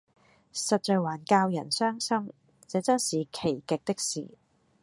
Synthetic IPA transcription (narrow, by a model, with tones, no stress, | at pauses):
sɐ˨t̚t͡ʃœː˨˧waː˨˩nkaː˧wjɐ˨˩nsœː˥ŋsɐ˥m | t͡sɛː˨˥t͡sɐ˥nsiː˨kʰe˨˩jkɪ˨k̚t̪ɪ˥k̚sḭː˨˩